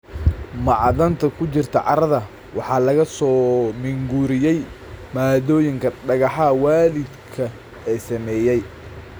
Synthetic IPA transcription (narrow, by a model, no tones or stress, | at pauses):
mɑʕðɐnt̪ʰɐkʰʊt͡ʃɪrt̪ʰɐʕɑɾɐðɐ | wɑħɑːlɐɣɐsɔːmɪŋɡuɾɪjɛj | maːðɔːjɪŋkʰɐɖɐɣɑħɑwaːlɪd̪kʰɐ | ɛːsɐmɛːjɛj